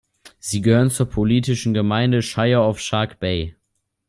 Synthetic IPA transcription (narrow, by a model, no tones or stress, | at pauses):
z̥iːɡəhøːʁənt͡suːɐpʰoliːtɪʃn̩ɡəmaɪndəʃaɪɐaʊfʃaɐkb̥ɛɪ